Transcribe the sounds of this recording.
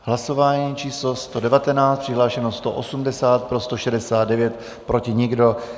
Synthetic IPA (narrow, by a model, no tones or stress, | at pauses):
ɦlaso̞vaːɲiːt͡ʃiːslo̞st̪o̞dɛvat̪ɛnaːtt͡st̪̚pr̥ɪɦlaːʃɛnost̪o̰ʔosumdɛsaːt̪̚pɾo̞st̪o̞ʃɛdɛsaːd̪dɛvjɛt̪ | pɾo̞cɪɲɪɡdo̞